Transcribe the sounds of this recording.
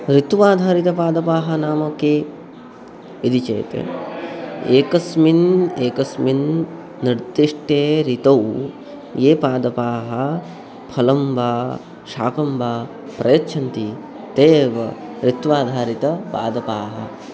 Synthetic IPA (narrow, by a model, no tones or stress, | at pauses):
ɾit̪ʋaːd̪ʱaːɾit̪ɐpaːd̪ɐpaːɦɐ̆naːmɐkeː | id̪it͡ʃḛːt̪ḛ | eːkɐsmineːkɐsminː | iɾd̪iʂʈeːɾit̪ɐw | jeːpaːd̪ɐpaːɦɐ | pʰɐlɐmbʱaː | ʃa̰ːkɐmbʱaː | pɾɐjɐtːʃʰɐnt̪i | t̪eːʋɐɾit̪ʋaːd̪ʱaːɾit̪ɐpa̰ːd̪ɐpaːɦɐ̰